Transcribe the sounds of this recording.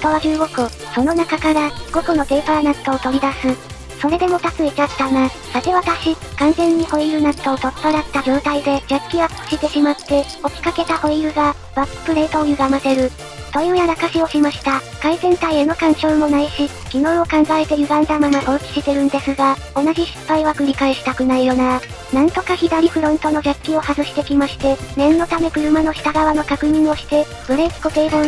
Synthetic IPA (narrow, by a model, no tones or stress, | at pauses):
t̪oβad͡ʑɨːɡo̞kɯ | so̞no̞nakakaɾaɡo̞kono̞ɡ̪e̞ːpaɾanḁk̪aot̪o̞ɾʲid̪asɨ | so̞ɾe̞d̪e̞mo̞t̪akɯit͡ɕat̪ːana | sat̪e̞βat̪aɕikãnzẽ̞ɲ̟ːiho̞ijɯ̟ːnak̪aot̪ot̪ːoɾat̪ːad͡ʑo̞ːt̪aid̪e̞d͡ʑakʲːiɡḁko̥ɕit̪e̞ɕimat̪ːe̞ | o̞kʲi̥kake̞t̪aho̞ijɯ̟ːɡa | β̥akɯ̥pɯ̟ɾe̞ːt̪o̞ːjɯ̟ɡamat̪e̞ɾɯ̟ | t̪ojɯːjaɾakaɕio̞ɕimaɕi̥t̪a | kaizẽ̞nt̪aieno̞kãɰ̃t͡ɕo̞ːmo̞naiɕi | ɡ̥ʲinõ̞ɰ̃o̞kãŋɡaet̪e̞jɯ̟ɡãnd̪amamaʔoikʲi̥ɕit̪e̞ɾɯ̟̃nd̪e̞sɨɡa | o̞naʑiɕi̥pːaiβakɯ̟ɾʲikaeɕi̥t̪akɯ̟naijo̞na | nãnt̪o̞kaçid̪aɾʲiɸɯ̟ɾõ̞nt̪o̞no̞d͡ʑakʲːio̞hazɯɕi̥t̪e̞kʲimaɕi̥t̪e̞nẽ̞nːo̞t̪ame̞kɯ̟ɾɯ̟mano̞çi̥t̪aɡaβ̞ano̞kakɯ̟ɲ̟ĩɰ̃o̞ɕi̥t̪e̞ | b̥ɯ̟ɾekkot̪eːbõ